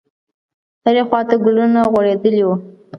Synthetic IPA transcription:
həɾexwɑt̪aɡʊlunaɣwaɽed̪əliwu

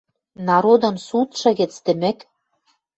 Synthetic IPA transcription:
nɑɾod̪ɤ̆nsut̪ʃɤ̆ɣɘ̆t͡st̪ɘ̆mɘ̆k

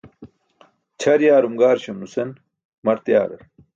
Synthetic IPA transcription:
t͡ɕʰɐɾjaːɾumɡaːɾɕɐmnusen | mɐɾt̪ja̰ːɾɐ̰ɾ

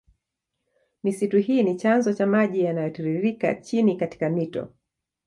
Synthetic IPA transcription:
misituɦiːnit͡ʃanzɔt͡ʃamaʄijanajɔtiɾiɾika̰t͡ʃinikati̥kamitɔ̰

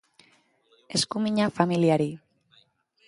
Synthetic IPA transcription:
e̞skumiɲafamiliaɾi

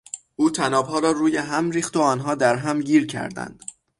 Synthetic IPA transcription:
ʔuːt̪ʰænɒːbɦɒːɾɒːɾuːjeɦæmɾiːxt̪oɒːnɦɒːd̪æɾɦæmɟiːɾcʰæ̰ɾd̪æ̰nd̪̥

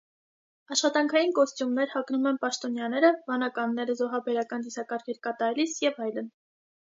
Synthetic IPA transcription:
ɑʃχɑt̪ɑŋkʰɑjinkɔst̪jumnɛɾhɑknumɛnpɑʃt̪ɔnjɑnɛɾəvɑnɑkɑnːɛɾəzɔɦɑbɛɾɑkɑnjusɑkɑɾkʰɛɾkɑt̪ɑɾɛlisjɛvɑjlən

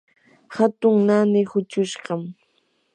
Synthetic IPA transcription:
hat̪ʊŋnanɪhʊt͡ʃʊʃɢɑm

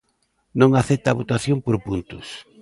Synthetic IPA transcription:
nõŋaθɛt̪aːβot̪aθjoŋpoɾpunt̪ʊs

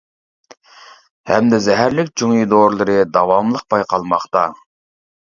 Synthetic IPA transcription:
hɛmd̪ɪzɛɦæɾlɪkʲt͡ʃʰuŋid̪oɾlˠɨɾɨd̪ɑwɑmlˠəq̚pɑjqʰɑlˠmɑχt̪ɑ

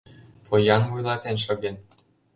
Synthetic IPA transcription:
pʰojɑnvujlˠɑt̪enʃɤ̆ɡen

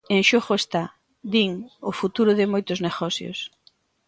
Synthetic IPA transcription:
eŋʃoɣoest̪a | d̪iŋʊfut̪uɾʊðɪmojt̪ʊzneɣɔsjo̰s

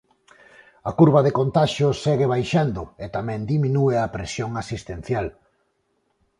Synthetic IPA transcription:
ɐkuɾβɐðekont̪aʃjʊsːɛɣeβ̞ajʃand̪ʊet̪amɛ̃nd̪imĩnueapɾesjoŋasist̪en̟θjal

